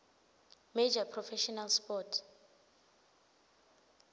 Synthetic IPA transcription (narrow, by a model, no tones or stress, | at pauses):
med͡ʒapʰrɔfɛʃɔnalspɔtʰ